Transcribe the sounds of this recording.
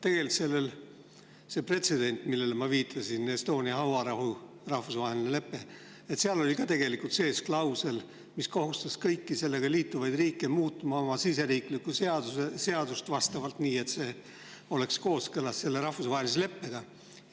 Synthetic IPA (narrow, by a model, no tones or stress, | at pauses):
t̪e̞ɡ̥e̞lt̪se̞lːe̞l | se̞pre̞t̪se̞d̪̥e̞nʲt̪ˑmilːe̞lmɑviːt̪ʰːˑɑsinest̪o̞ːnʲiɑɦɑwɑɾɑɦu | rɑhfusvɑɦelinele̞pːe̞ | et̪seɑlo̞lʲikɑt̪e̞ɡ̥e̞likult̪se̞ːsklɑwse̞l | misko̞ɦust̪ɑskɤjkːise̞lːe̞ɡ̥ɑliːt̪ːuvɑjd̪̥riːkːˑemuːt̪ːˑumɑo̞mɑsise̞ɾiːklikːˑuseɑd̪̥usese̞ɑd̪̥ust̪vɑst̪ɑvɑlt̪niːe̞t̪se̞ː | o̞le̞ksko̞ːskɤlɑsse̞lːe̞ɾɑhfusvɑɦelis̬le̞pːe̞ɡ̥ɑ